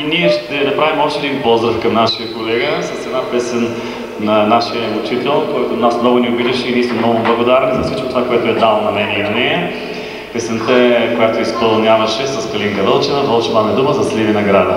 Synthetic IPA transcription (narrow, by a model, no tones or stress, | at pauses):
iniɛʃt̪ɛd̪ɐpɾavimɔpʃt̪ɛd̪inpɔzɾɐfkɐmnaʃijəkolɛɡəsɐsɛd̪napɛsɛn | nɐnaʃiəɛmʊt͡ʃit̪ɛlˠkɔjt̪onasmnɔɡʊniobid̪ɐʃiniɛsmɛmnɔɡʊblˠɐɡod̪aɾɛnizɐsvit͡ʃkot̪ovakoɛt̪ʊɛd̪alˠnɐmɛnʲionɛɛ | pɛsɛnt̪əɛkojat̪oispɐlˠnʲavɐʃɛsɐskɐliŋkɐvəlˠt͡ʃɛnɐd̪ɔlt͡ʃɛmamɛd̪uməzɐslivinɐɡɾad̪ə